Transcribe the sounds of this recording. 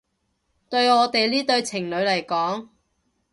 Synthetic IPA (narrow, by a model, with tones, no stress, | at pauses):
t̪ɵ˧ɥŋɔː˨˧t̪e˨jliː˥t̪ɵ˧ɥt͡sʰɪ˨˩ŋlɵ˨˧ɥlɐ˨˩jkɔː˨˥ŋ